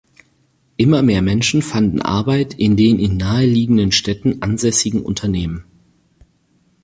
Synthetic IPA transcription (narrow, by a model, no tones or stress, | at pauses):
ʔɪmɐmeːɐmɛnʃn̩fandn̩ʔa̰ɐbaɪtʔɪndeːnʔɪnːaːəliːɡŋ̩dənʃtɛtn̩ʔanzɛsɪɡŋ̩ʔʊ̰ntʰɐneːmən